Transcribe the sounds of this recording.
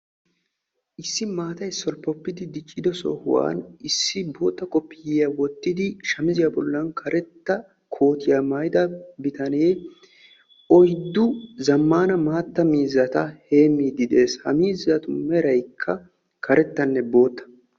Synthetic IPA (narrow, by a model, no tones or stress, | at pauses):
ʔɪsːɪmaːt̪ɐjsːɔlpːɔpːɪd̪ɪd̪ɪt͡ʃʼːɪd̪ɔsɔ̰hʊ̰wa̰ːnɪsːɪbo̞ːt̪ːɐkʼɔpːɪjɪjɐwɔt̪ːɪd̪ɪʃɐmɪzɪjaːbɔlːɐnkʰɐɾʔɛt̪ːɐ | kʰo̞ːt̪ɪjamɐjd̪ɐbɪt̪ɐneː | ʔɔjd̪ːʊzɐmːaːnɐmaːt̪ːɐmiːzːɐt̪ɐhe̞ːmːiːd̪ɪd̪e̞ːshɐ̰miːzːɐt̪ʊmɛɾɐjkʰːɐ | kɐɾɛt̪ːɐnːɛbo̞ːt̪ːɐ̥